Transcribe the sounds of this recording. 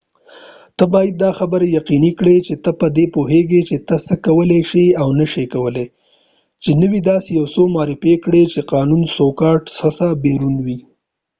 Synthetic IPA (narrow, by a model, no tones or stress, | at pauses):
t̪əbɑjad̪̚ːɑxabəɾejaqinikɽet͡ʃet̪əpəd̪epoɦeɡet͡ʃet̪əsəkawəleʃiawnəʃekawəle | t͡ʃenəwid̪ɑsejawsomɑɾɪfekɽet͡ʃeqɑnunsokɑʈsasabeɾunwi